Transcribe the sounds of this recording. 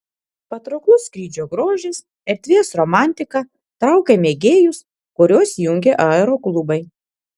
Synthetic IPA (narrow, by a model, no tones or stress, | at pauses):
pɐt̪ɾoklˠʊskɾʲiːd͡ʒʲoːɡɾoːʒʲes | ɛɾʲt̪ʲʋʲeːsɾɔmɑˑnʲt̪ʲɪkɐ | t̪ɾɐˑʊkʲemʲeːɡʲeːjʊs | kʊɾʲoːsjʊŋʲɡʲeʔɑɛɾoːklˠʊbɐɪ